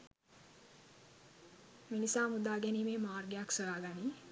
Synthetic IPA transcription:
minisaːmud̪aːɡɛniːmeːmaːrɡejaksəjaːɡaniː

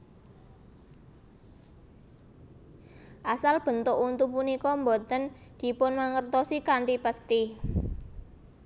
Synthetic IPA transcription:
ʔasalb̥ə̤nt̪ʊʔunt̪upunikɔmbot̪ənd̪̥i̤pʊnmaŋərt̪ɔsikaɳʈipəst̪i

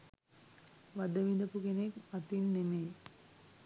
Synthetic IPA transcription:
ʋad̪əʋind̪əpukenekmat̪inːeme

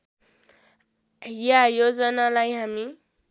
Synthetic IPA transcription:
ijajod͡zʌnalajɦami

